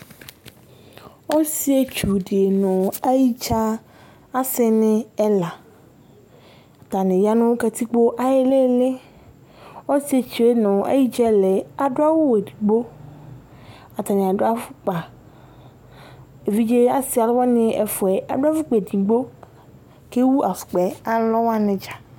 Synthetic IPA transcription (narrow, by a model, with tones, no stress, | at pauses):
wo˦si˦e˦t͡ʃu˨ɖe˨e˨nɔ̃˨a˦ji˦t͡ʃa˦ | a˦se˦nẽ˦ɛ˦la˨ | a˨t̪a˨nẽ˨ja˦nũ˦wo˦ka˨t̪i˦k͡po˦ʔa˨je˦le˦le˦ | o˦si˦e˦t͡ʃu˨e˦nɔ̃˨a̰˦ji˦d͡ʒɛ˦le˨a˨ɖo˦a˦wo˦we˨di˨ɡ͡bo˦ | a˨t̪a˨nẽ˨a˨ɖo˦a˦fu˦k͡pa˨ | e˨vi˦d͡ʒe˦a˦si˦a˨lɔ˦wa˦nẽ˦ʔɛ˨fo˨ɛ˨ʔa̰˨do˦a˦fu˦k͡pe˨di˨ɡ͡bo˦ | ke˦wu˦ʔa˨fu̥˨k͡pɛ˨a˨lɔ˦wa˦nẽ˨d͡ʒa˨